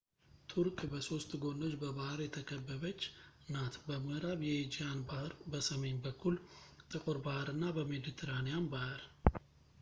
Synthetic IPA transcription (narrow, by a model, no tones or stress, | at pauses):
t̪ʰuɾkʼbəso̞st̪ɡo̞no̞t͡ʃːbəβahɾjɛt̪ʰəkʰəbːəβət͡ʃː | nat̪bəməhɾaβjɛed͡ʒijanbahɾbəsəme̞ɲbəkːult̪ʼɨkʼoɾbahɾɨnːabəmed̪it̪ʰeɾanejambahɨɾ